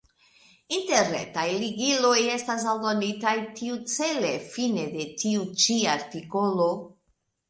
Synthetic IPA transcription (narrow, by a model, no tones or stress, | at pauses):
inteɾnḛtajliɡilo̞je̞stas̬aldo̞nitajtiut͡se̞le̞fine̞de̞tiut͡ʃiaɾtiko̞lo̞